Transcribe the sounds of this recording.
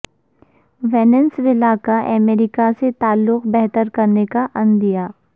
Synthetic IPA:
ʋɛːnənsʋɪlaːkaʔɛmeːɾɪkaset̪aːlːʊqbɛɦt̪əɾkɐɾnekaʔɐ̃nd̪ijaː

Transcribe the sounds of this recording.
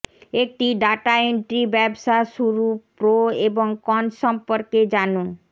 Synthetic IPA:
ek̚ʈiɖaʈaeɳʈɾibɛbʃaʃuɾupɾoeboŋkɔnʃɔmpoɾked͡ʑano

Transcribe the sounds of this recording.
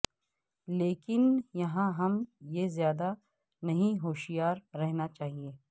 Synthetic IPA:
leːkɪnjɐɦãɦɐmjezjaːd̪a | nɐɦĩɦoːʃijaːɾːɛɦnat͡ʃaːɦieː

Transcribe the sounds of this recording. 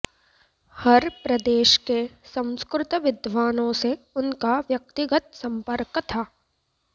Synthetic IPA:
hɐɾpɾɐd̪eːʃkesɐ̃w̃skɾɪt̪ʋɪd̪ʋaːnõse | ʊnkaʋjɐk̚t̪ɪɡət̪̚sɐ̃mpəɾkt̪ʰaː

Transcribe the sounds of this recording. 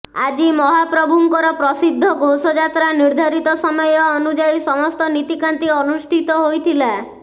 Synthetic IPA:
ad͡ʒimɔɦapɾɔbʱuŋkɔɾɔpɾɔsid̪ʱːɔɡowsɔd͡ʒat̪ɾaniɾd̪ʱaɾit̪ɔsɔmɔjɔːnud͡ʒajsɔmɔst̪ɔnit̪ikant̪iɔnusʈʰit̪ɔɦojt̪ʰila

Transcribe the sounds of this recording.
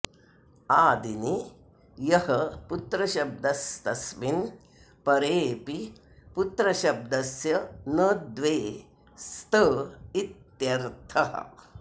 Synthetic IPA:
aːd̪ini | jɐhɐput̪ɾɐʃɐb̚d̪ɐst̪ɐsʋin | pɐɾeːpi | put̪ɾɐʃɐb̚d̪ɐsjɐnɐd̪ʋeː | st̪əit̪jɐɾt̪ʰɐɦɐ̰

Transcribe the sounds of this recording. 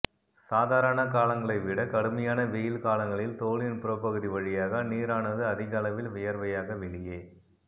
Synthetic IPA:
saːðaːɾɐnɐkaːlɐŋɡɐɭɐɪʋɪɽɐkɐɽɯmɐjaːnɐʋejɪlkaːlɐŋɡɐɭɪlt̪oːlɪnpɪɾɐpɐɣɯðiʋɐɻɪjaːɣɐniːɾaːnɐðɯɐðɪɣalɐʋɪlʋʊjɐɾʋɐjaːɣɐʋɛɭɪjeː

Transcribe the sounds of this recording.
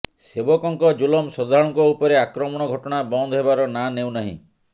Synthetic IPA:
sebɔkɔŋkɔd͡ʒulɔmsɔd̪ʱaɾɔŋkɔupɔɾeakɾɔmɔɽ̃ɔɡʱɔʈɔɽ̃abɔnd̪ʱɔɦebaɾɔnanew̃naɦḭ̃

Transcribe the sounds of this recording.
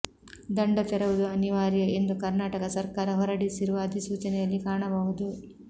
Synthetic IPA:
d̪ɐɳɖɐt̪ɛɾɐʋud̪uɐniʋaːɾjɐe̞nd̪ukɐɾnaːʈɐkɐsɐɾkaːɾɐɦɔɾɐɽisiɾuʋɐːd̪ʱisuːt͡ʃɐnɛjɐlːikaːɳɐbɐɦud̪u

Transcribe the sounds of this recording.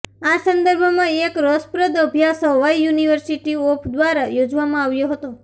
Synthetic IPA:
asə̃nd̪əɾbʱmãekɾɔspɾəd̪əbʱjasəʋajjuniʋəɾsiʈiopʰd̪ʋaɾajod͡ʒʋamãaʋjoɦət̪o

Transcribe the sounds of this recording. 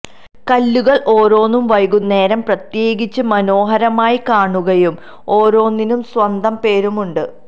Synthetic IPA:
kɐlːuɣɐɭʔo̞ːɾo̞ːnːumʋɐjɣunːe̞ːɾɐmprɐt̪je̞ːɡit͡ɕːɨmɐno̞ːɦɐɾɐmaːjikaːɳuɣɐjum | o̞ːɾo̞ːnːinumswɐnd̪ɐmpe̞ːɾumuɳɖɨ

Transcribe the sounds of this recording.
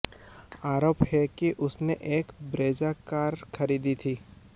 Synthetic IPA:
aːɾoːphɛkiʔʊsneʔeːkbɾeːd͡ʒakaːɾxʰɐɾiːd̪it̪ʰiː

